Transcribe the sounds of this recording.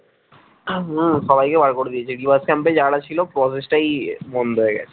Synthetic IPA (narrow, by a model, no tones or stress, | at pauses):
sɔbʱajkebaɽkoɽed̪ijet͡ɕʰiɖibaɾskɛmped͡ʑaːɽat͡ɕʰilopɾɔs̬esʈajmɔnd̪ʱoeɡɛ̰